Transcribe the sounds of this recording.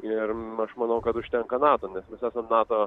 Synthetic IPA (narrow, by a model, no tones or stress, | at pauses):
ɪrɐʃmɐnɐʊkɐt̪ʊʃʲt̪ʲɛŋkɐnɑːt̪oːnʲɛsmʲɛsæːsɐmnɑːt̪oː